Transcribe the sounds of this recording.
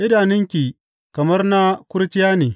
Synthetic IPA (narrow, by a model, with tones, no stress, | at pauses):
ʔɪ˦daː˨nɪ˦ŋkʲi˨ | kɐ˨mɐ˦rna˦kʷʊ˦ɾt͡ʃɪ˦jaː˦neː˨